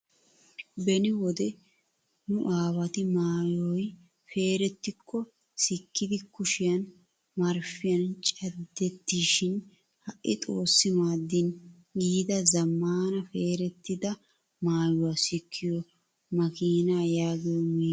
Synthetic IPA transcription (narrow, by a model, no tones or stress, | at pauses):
bɛnɪwɔd̪ɛ | nʊʔaːwɐt̪ɪmaːjɔj | fe̞ːɾɛt̪ːɪkʰːɔ | sɪkːɪd̪ɪkʊʃɪjɐn | mɐɾfɪjɐnt͡ʃʼɛd̪ːɛt̪ːiːʃɪn | hɐʔʔːɪt̪ʼo̞ːsːɪmaːd̪ːɪn | ɡiːd̪ɐzɐmːaːnɐfe̞ːɾɛt̪ːɪd̪ɐ | maːjʊwasɪkʰːɪjɔ | mɐkiːnaːjaːɡɪjɔmiː